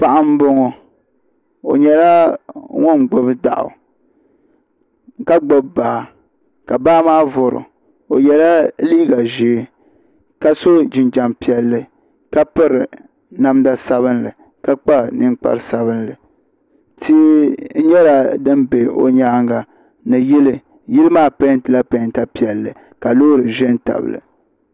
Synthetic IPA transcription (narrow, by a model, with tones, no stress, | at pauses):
pa˦ʔa˦m˦bo˦ŋo˨ | o̰˨ɲɛ˨la˦ŋɔ˦n˨ɡ͡bʊ˦bɨ˦da̰˨ʔʊ̰˨ | ka˦ɡ͡bo˨bbaː˨ | ka˨baː˦maː˦vʊ˨ɾʊ̰˨ | o˨ɲɛ˨la˦liː˦ɡa˨ʒe˨˦ | ka˦so˦d͡ʒɪ˨nd͡ʒa˨mpi˨ɛ˨lːɨ˨ | ka˦pɨ˦ɾɨ˨ | na˦mda˦sa˦βɨ˦nlɨ˨ | ka˦k͡pa˦˨nɨ˦ŋk͡pa̰˦ɾɨ˦sa˦βɨ˦nlɨ˨ | tʰi˦n̩˦ɲɛ˦la˨dɨ˦mbe˨o̰˦ɲaː˦ŋɡa˨ | nɨ˨ji˦lɨ˦˨ | jɪ˦lɨ˦maː˦˨pa˦n˦tɨ˨la˦pa˨˦n˦ta˦pi˨ɛ˨lːɨ˨ | ka˨loː˦ɾɨ˨ʒɛ˦n˦ta̰˨bɨ̰˨lɨ̰˨